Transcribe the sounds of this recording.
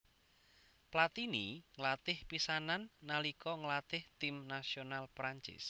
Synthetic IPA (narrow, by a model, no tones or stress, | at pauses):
plat̪iniŋəlat̪ɪhpisananːalikɔŋəlat̪ɪht̪ɪmnasionalpɾaɲt͡ʃɪ̰s